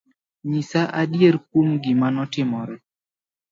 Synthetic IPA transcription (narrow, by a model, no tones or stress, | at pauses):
ɲisaʔadjeɾk̚womɡɪmanɔtɪmɔɾɛ